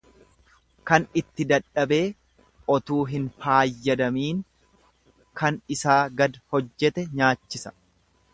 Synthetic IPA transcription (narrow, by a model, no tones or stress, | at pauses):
kɐnɪt̪ːɪd̪ɐᶑɐbe̞ː | ʔɔt̪uːɦɪnfaːjːɛd̪ɐmiːŋ | kɐnɪsaːɡɐd̪hɔd͡ʒːɛt̪ɛɲaːt͡ʃːɪsɐ̥